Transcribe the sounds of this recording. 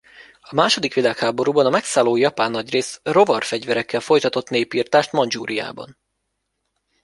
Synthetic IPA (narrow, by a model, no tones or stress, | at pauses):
ɒmaːʃo̞d̪ikʋilaːkhaːbo̞ɾuːbɒnɒmɛksaːlːoːjɒpaːnːɒɟreːsro̞vɒrfɛɟvɛɾɛkːɛlfo̞jt̪ɒt̪o̞t̪neːpiːrt̪aːʃt̪mɒnd͡ʒuːɾija̰ːbɒ̰n